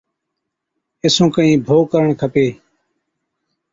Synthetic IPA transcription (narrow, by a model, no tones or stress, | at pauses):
ɪsũːkəĩːbʱoːkəɾəɳkʰəpeː